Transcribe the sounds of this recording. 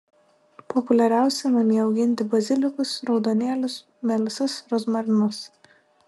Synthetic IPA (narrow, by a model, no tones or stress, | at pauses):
pɔpʊlʲɛɾʲæˑʊsʲɛmɐnʲiːɒʊɡʲɪnʲt̪ʲɪbɐzʲɪlʲɪkʊsɾɒʊd̪oːnʲeːlʲʊs | mʲɛlʲɪsɐsɾɔzmɐɾʲnʊs